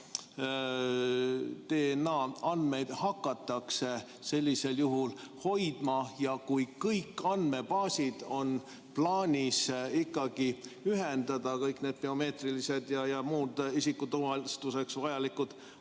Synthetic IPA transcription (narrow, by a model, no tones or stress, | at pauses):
t̪eːnɑːɑnd̪̥me̞jd̪̥hɑkːɑt̪ːˑɑkse̞ | se̞lʲːise̞ljuɦulho̞jd̪̥mɑjɑkujkɤjkːɑnd̪me̞bɑːsid̪̥o̞n | plɑːnʲisikˑːɑɡ̥iyɦend̪ɑd̪̥ɑkɤjkne̞ːd̪̥̚peo̞me̞ːt̪rilise̞d̪jɑjɑmuːd̪̥isikːut̪uvɑlst̪use̞ksvɑjɑlikud̪̥